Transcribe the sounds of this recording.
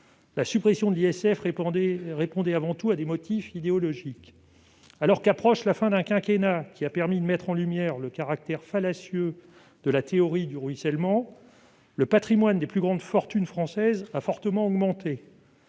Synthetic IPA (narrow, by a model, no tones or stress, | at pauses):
lasypχesjɔ̃d̪əliɛsɛf | ʁepɔ̃d̪ɛavɑ̃t̪uad̪emɔt̪ʰifid̪eɔlɔʒik | alɔʁkapχɔʃlafɛ̃d̪ɛ̃kʲɛ̃kʲenakʲʰiapɛʁmid̪əmɛt̪χɑ̃lymjɛʁləkaʁak̚t̪ɛʁfalasjø | d̪̥əlat̪eɔʁid̪yʁɥisɛlmɑ̃ | ləpat̪χimwand̪eplyɡʁɑ̃d̪fɔʁt̪ynfχɑ̃sɛzafɔʁt̪əmɑ̃ɔɡmɑ̃t̪e